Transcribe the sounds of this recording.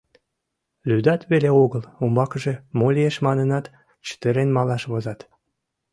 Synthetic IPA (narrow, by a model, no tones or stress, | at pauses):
lyd̪ɑt̪βeleoɣəlumbɑkəʒemolʲieʃmɑnənɑt̪ | t͡ɕə̥t̪əɾenmɑlɑʃβozɑt̪